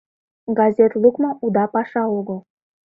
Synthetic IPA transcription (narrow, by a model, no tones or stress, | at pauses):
ɡɑzʲet̪lˠukmɤ̆ud̪ɑpɑʃɑoɣə̆lˠ